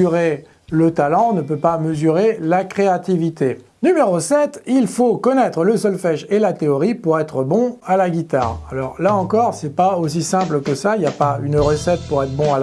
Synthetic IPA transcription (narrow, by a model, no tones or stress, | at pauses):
yʁe | lət̪alɑ̃nəpøpaməzyʁelakχeat̪ivit̪e | nymeʁosɛt̪ilfokɔnɛt̪χələsɔlfɛʒelat̪eɔʁipuʁɛt̪χəbɔ̃alaɡʲit̪a̰ːʁalɔʁlaɑ̃kɔʁsɛpaosisɛ̃pləkəsailjapaynʁəsɛt̪̚puʁɛt̪χbɔ̃a